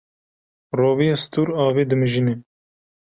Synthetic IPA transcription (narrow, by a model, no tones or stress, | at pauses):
roːvijɑːsɨ̥t̪uːɾɑːveːd̪ɨmɨʒine